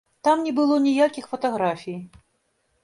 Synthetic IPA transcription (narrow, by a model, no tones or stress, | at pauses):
t̪amnʲɛbɨlˠɔnʲijakʲixfɐt̪ɐɣɾafʲij